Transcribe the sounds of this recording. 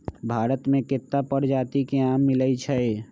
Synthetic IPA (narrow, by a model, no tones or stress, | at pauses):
bʱaːɾət̪mẽkɪt̪ːapəɽd͡ʒaːt̪ikeaːmːɪləit͡ʃʰɛe